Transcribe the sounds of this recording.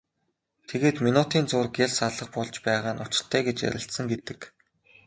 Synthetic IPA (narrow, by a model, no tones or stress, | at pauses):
t̪ʰeɣeːt̪minut̪iːnt͡sʊːrɡeɮʲsaɮə̆χpɔɮt͡ɕpæːʁaːnʊt͡ɕɪ̆ɬt̪ʰæːɡet͡ɕjæ̰ɾʲɪ̆ɬt̪sə̆ŋɡet̪ɘ̆k